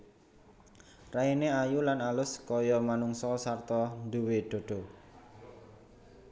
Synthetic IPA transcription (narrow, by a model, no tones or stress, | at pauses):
raineajulanalʊskɔjɔmanuŋsɔsart̪ɔnd̪uweɖ̪̥o̤ɖ̥ɔ̤